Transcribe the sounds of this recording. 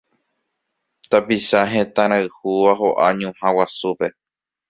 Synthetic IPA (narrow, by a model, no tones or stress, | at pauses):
t̪apiʃaɦẽt̪ãɾ̃aɨhuʋaɦoʔaɲũhãwasupe̞